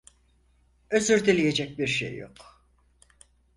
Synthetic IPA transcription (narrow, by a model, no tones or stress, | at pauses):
øzyɾd̪elʲije̞d͡ʒɛc̚biɾʃḛjːo̰k